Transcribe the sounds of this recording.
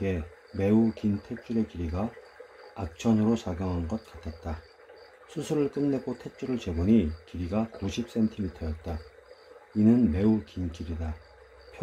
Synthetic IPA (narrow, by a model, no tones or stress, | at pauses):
e̞ | me̞ukintʰe̞t͡ɕ͈uɾe̞kiɾiɡaː | k̚t͡ɕ͈ʰʌnɯɾosaɡjʌŋɦanɡʌt̚k͈atʰat̚t͈a | sʰusʰuɾɯɭk͈ɯmne̞ɡotʰe̞t͡ɕ͈uɾɯɭt͡ɕe̞ɡoɲikiɾiɡakuɕʰip̚s͈e̞ntʰimitʰʌjʌt̚t͈a | inɯnme̞ukinkiɾida | pʰj